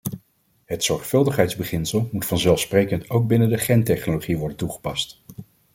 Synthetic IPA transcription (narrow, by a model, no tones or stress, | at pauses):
ɦətsɔɹχfɵlˠdəχɦɛjdzbəχɪnsəlˠmutfɑnzɛlˠfsprejkəntowɡ̚bɪnəndəχɛntɛχnoloχiʋɔɹdəntuχə̥pɑst